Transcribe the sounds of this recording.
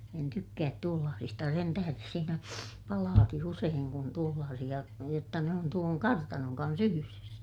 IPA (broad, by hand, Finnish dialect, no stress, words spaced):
en tykːæːt tuolːɑːsistɑ jɑ sen tæhæres siːnæ pɑlɑːki useːŋ kun tuolːɑːsij̆ɑ jotːɑ ne on tuoŋ kɑrtɑnoŋ kɑns yhyres